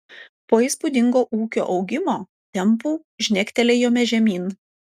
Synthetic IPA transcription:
poːiːˑspʊd̪ʲɪŋɡoːʔuːkʲo̰ːʔɒʊɡʲɪmoː | t̪ʲɛmpuː | ʒʲnʲɛkʲt̪ʲɛlʲɛjoːmʲɛʒʲɛmʲiːn

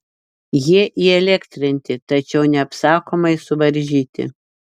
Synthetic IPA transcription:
jiɛʔiɛlʲɛkt̪ʲɾʲɪnʲt̪ʲɪt̪ɐt͡ʃʲɛʊnʲɛɐpsɑːkoːmɐɪsʊʋɐɾʲʒʲiːt̪ʲɪ̰

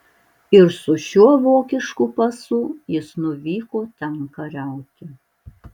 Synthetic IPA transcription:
ɪɾsʊʃʲuɔʋoːkʲɪʃkupɐsʊjɪsnʊʋʲiːkoːt̪ʲɛŋkɐɾʲæˑʊt̪ʲɪ

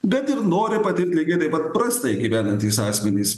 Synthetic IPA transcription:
ɡɐt̪ɪɾnoːɾʲɪpɐt̪ʲɪɾʲt̪ʲlʲiːɡʲet̪ɐɪpɐt̪̚pɾɐst̪ɐɪɡʲiːʋʲæːnɐnʲt̪ʲiːsɑːsʲmʲɛnʲis

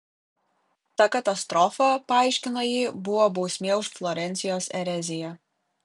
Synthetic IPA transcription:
t̪ɐkɐt̪ɐst̪ɾɔfɐpɐɑˑɪʃʲkʲɪnojiːbʊʋoːbɒʊsʲmʲeːʊʃflˠɔɾʲɛnʲsʲɪjoːsɛɾʲɛzʲɪjɛ

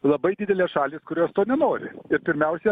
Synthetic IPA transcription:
lˠɐbɐɪd̪ʲɪd̪ʲɛlʲeːsʃɑːlʲiːskʊɾʲoːst̪oːnʲɛnoːɾʲɪ̰ɪɾpʲɪɾʲmʲɛʊsʲɛ

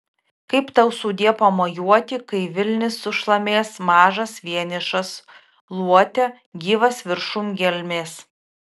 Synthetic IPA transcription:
kɐɪpt̪ɐʊsuːd̪ʲiɛpɐmoːjuɔt̪ʲɪkɐɪʋʲɪlʲnʲɪsːʊʃlˠɐmʲeːsmɑːʒɐsʋʲiɛnʲɪʃɐs | lˠuɔt̪ʲɛ | ɡʲiːʋɐsʋʲɪɾʃʊmɡʲɛlʲmʲeːs

